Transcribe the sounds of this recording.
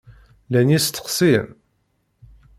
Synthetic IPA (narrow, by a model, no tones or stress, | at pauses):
lænjist̪ːə̥qsim